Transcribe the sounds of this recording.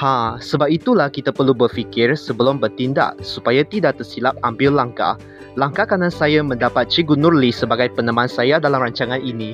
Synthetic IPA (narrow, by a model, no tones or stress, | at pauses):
hasəbap̚it̪ulahkit̪apərlubərfikɪrsəbəlʊmbərt̪inda̰ʔsupajat̪idaʔt̪ərsilap̚ambɪllaŋka̰ | laŋkakanãnsajamə̃ndapat̪̚t͡ʃiɡunurlisəbaɡajpənə̃mãnsajadalamraɲt͡ʃaŋãninĩ